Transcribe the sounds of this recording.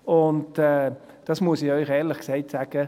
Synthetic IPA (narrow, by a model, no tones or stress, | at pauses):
ʊntɛː | d̥ɑsmuəsiœʏχɛːʁlɪχkseɪtsaːɡ̥ə